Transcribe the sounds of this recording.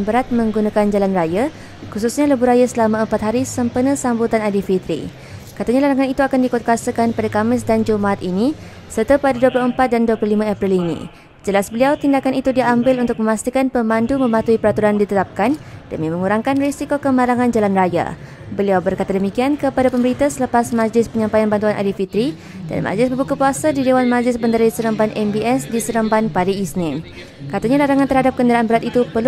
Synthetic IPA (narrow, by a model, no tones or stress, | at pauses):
nbəɾat̪̚mə̃ŋɡunakand͡ʒalanraja | kususɲaləbuɾajasəlamãəmpat̪ɦaɾisəmpənə̃sambut̪anadifit̪ɾḭ | kat̪aɲalaɾaŋanit̪uakandikɔt̪̚kasəkanpadakamɪs̬dand͡ʒumaʔat̪ini | sərt̪apadaduəplʊhəmpat̪̚danduwəpluhlimãapɾilinḭ̃ | d͡ʒəlasbəliawt̪indakanit̪udiambɪlunt̪ʊk̚mə̃mast̪ikanpəmãndumə̃mat̪uipəɾat̪uɾandit̪ət̪ap̚kandəmĩmə̃ŋuɾaŋkanresikokəmaɾaŋãnd͡ʒalanraja̰ | bəliawbərkat̪adəmikiankəpadapəməɾit̪asələpasmãd͡ʒlɪspəɲãmpajanbant̪uanʔa̰difit̪ɾi | da̰nmʔa̰d͡ʒlɪsbəbukəpuasadidewanmãd͡ʒlɪsməndəɾadisəɾəmbanʔɛmbiɛsdisəɾəmbanpadaisnɪ̃m | kat̪aɲãlaɾaŋant̪ərhadap̚kəndəɾaʔanbəɾat̪it̪upəl